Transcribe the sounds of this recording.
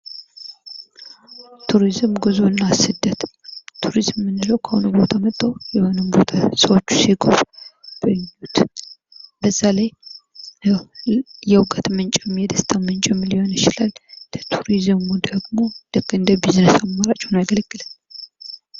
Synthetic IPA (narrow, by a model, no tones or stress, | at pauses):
t̪ʰuɾizɨmɡɨzoɨnːasɨd̪ːət̪t̪ʰuɾizmːɨnːɨləwkʰəhonubo̞t̪ʰamət̪ʼːəwjɛho̞nɨmbo̞t̪ʰasəwot͡ʃːu̥siɡʰofb̥ɨɲːut̪ | bəzːalaj | jɛwkʼət̪mənt͡ʃʼɛmjɛd̪əst̪ʼʰamənt͡ʃʼɛmliho̞nɪt͡ʃɪlalːət̪ʰuɾizɨmud̪əɡmo̞lɨkːɨnd̪əbiznəsamːaɾat͡ʃʼunajɡəlɡ̥ːɨlən